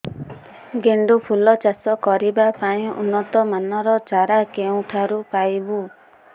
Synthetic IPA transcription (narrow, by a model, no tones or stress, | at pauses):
ɡeɳɖupʰulɔt͡ʃasɔkɔɾibapaĩṵnːɔt̪ɔmanɔɾɔt͡ʃaɾakeũʈʰaɾupajbu